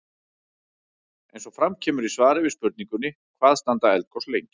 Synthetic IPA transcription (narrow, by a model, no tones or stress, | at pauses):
ɛjnsɔfɾamcʰɛːmʏɾisvaːɾɪvɪspʏɾt̪niŋkʏnːɪ | kʰvaːðst̪ant̪aɛlt̪̚kʰɔwslejŋc